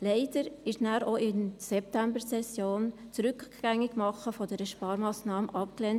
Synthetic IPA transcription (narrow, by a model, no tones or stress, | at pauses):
leɪd̥əɾɪʃnæːɾoʔɪnsɛp̚tæmbəɾsɛsjoːnt͡sɾʏkːɡ̥æŋːɪɡmɑχːəfɔd̥ɛɾəʃpɑːɾmɑːsnɑːməʔɑp̚klɛːnt